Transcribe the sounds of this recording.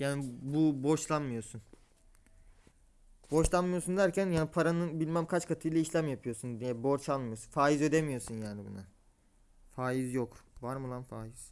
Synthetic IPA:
jaːnibuboʃlˠanmɯjo̞sun | bo̞ʃlˠanmɯjosund̪æɾcʰænjaːnipʰaɾanɯbilʲmæmkʰat͡ʃkʰat̪ʰɯjlˠaiʃlʲæmjapʰɯjo̞sund̪jɛbo̞ɾt͡ʃʰalˠmɯjosunfaːjizø̞d̪emijosunjaːnibṵna | faːjizjokvaɾmɯlˠanfaːjiz̥

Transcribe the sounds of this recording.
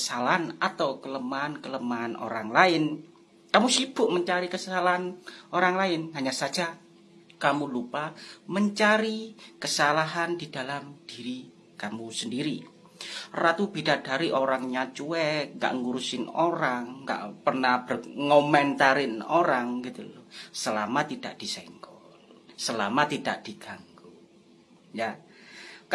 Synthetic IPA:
kəsalaɦanat̪awkələmaːnkələmaːno̰ɾaŋlaɪn | kamusib̥ʊʔməɲt͡ʃaɾikəsalaɦanoɾaŋlaɪnɦaɲasḁd͡ʒa | kamulupaməɲt͡ʃaɾikəsalaɦandidalamd̥iɾi | kamusəndiɾi | rat̪ub̥idad̥aɾiʔoɾaŋɲat͡ʃuɛk̚ŋɡa̰ʔŋuɾusɪnoɾaŋːɡa̰ʔpərnahb̥ərŋomɛnt̪aɾɪnoɾaŋɡit̪ulosəlamat̪id̥aʔd̥isɛŋkɔlsəlamat̪idaʔd̥iɡ̥aŋku | ja | k

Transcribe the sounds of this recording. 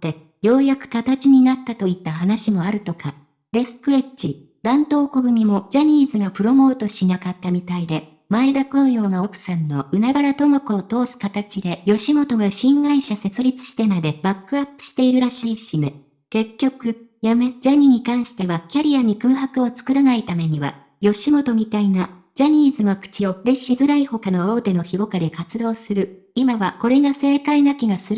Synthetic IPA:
t̪e | jo̞ːjakɯ̟̥kat̪at͡ɕiɲ̟inat̪ːat̪o̞it̪ːaɦanaɕimo̞aɾɯ̟t̪o̞ka | ɾe̞sɨ̥kɯ̟ɾe̞t͡ɕi | d̪̥ãnt̪o̞ːko̞ɡɯ̟mʲimo̞d͡ʑaɲ̟iːzɨɡapɯ̟ɾo̞mo̞ːt̪o̞ɕinakat̪ːamʲit̪aid̪e̞ | mae̞d̪akõɰ̃jo̞ːɡao̞kɯ̟̥sãnːo̞ʔɯ̟nabaɾat̪o̞makoːt̪o̞ːsɨ̥kat̪at͡ɕid̪e̞jo̞ɕimo̞t̪o̞ɡaɕĩŋɡaiɕase̞t͡sɨɾʲit͡sɨ̥ɕi̥t̪e̞mad̪e̞bakːɯ̟apːɯ̟̥ɕi̥t̪e̞iɾɯ̟ɾaɕiːɕine | ke̞kʲːo̞kɯ̟jame̞d͡ʑaɲ̟iɲ̟ikãɰ̃ɕi̥t̪e̞βakʲaɾʲiaɲ̟ikɯːɦakɯ̟o̞t͡sɨ̥kɯ̟ɾanait̪ame̞ɲ̟iβa̰ | jo̞ɕimo̞t̪o̞mʲit̪aina | d͡ʑaɲ̟iːzɨnokɯ̟̥t͡ɕio̞ɾe̞ɕizɨɾaiho̞kano̞o̞ːt̪e̞no̞çiɡo̞kad̪e̞kat͡sɨd̪o̞ːsɨɾɯ̟ | imaβako̞ɾe̞ɡase̞ːkainakʲiɡasɨɾɯ

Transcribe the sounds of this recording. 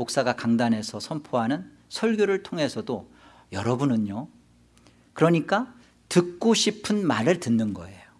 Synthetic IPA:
ok̚s͈aɡakaŋdanɦe̞sʰʌsʰʌmpʰoɦanɯn | sʰʌɭɡjoɾɯɭtʰoŋɦe̞sʰʌdo | jʌɾʌbunɯɲo | kɯɾʌɲik͈a | tɯk̚k͈oɕʰipʰɯnmaɾɯɭtɯnːɯnɡʌe̞jo

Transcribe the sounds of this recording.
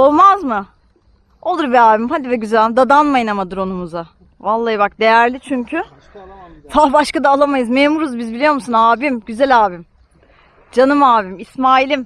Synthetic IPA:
o̞lˠmazmɯ | o̞lˠuɾbiaːbimhad̪ivɛɟyzælʲd̪ad̪anmajɯnamad̪ɯɾo̞numuza | valˠːaːjɯbak̚d̪e̞jæɾlʲit͡ʃʰyɲcʰy | vabaʃkad̪aːlˠamajɯzmeːmuɾuzbizbilʲijo̞ɾmusunaːbimɟyzælʲaːbim | d͡ʒanɯmaːbimismaːilʲim

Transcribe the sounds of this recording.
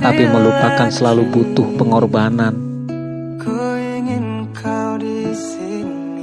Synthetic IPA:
t̪apiməlupakansəlalubut̪ʊhpəŋɔrbanan | ɡ̥oiŋin | kʰawdis | i

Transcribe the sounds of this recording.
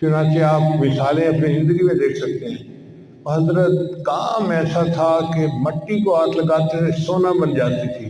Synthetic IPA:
t͡ʃʊnaːt͡ʃeaːpmɪsaːlẽɐpnizɪ̃nd̪əɡimẽd̪eːkʰsɐk̚t̪eɦɛ̃ː | ɦɐzɾət̪kaːmɛːsat̪ʰakemɐʈːikoaːt̪lɐɡaːt̪esoːnabɐnd͡ʒaːt̪it̪ʰiː

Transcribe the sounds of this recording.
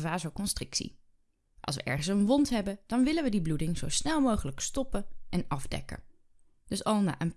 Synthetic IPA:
vaːzowkɔnstrɪksḭ | ʔɑ̰lˠsʋə̰ʔɛɹχənsənʋɔntɦɛbəd̥ɑnʋɪlənʋədibludɪŋzowsnɛlˠmowχələkstɔpəɛnɑvdɛ̰kə̰ | d̥ɵsɑlˠna̰ːʔən

